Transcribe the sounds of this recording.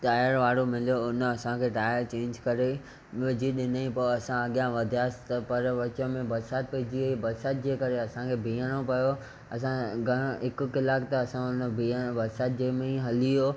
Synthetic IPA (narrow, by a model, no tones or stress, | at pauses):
ʈaːjəɾʋaːɽomɪlijoʊnɐsãkʰeːʈaːjəɾt͡ɕẽːɲd͡ʑkɐɾe | ʋɪd͡ʑiɗɪnaĩpɐɐsãɐɠijãʋɐd̪ʱijaːsɪ̥t̪ɐpɐɾʋɐt͡ɕəmẽbɐɾsaːt̪̚pɐd͡ʑioibɐɾsaːt̪̚d͡ʑeːkɐɾeɐsãkʰeːbʱĩːəɽ̃opɐjo | ɐsãɡʱɐɽ̃ɪkʊ̆kɪlaːkt̪ɐɐsãʊnbʱiəbɐɾsaːt̪̚d͡ʑeːmẽɦɐlijoː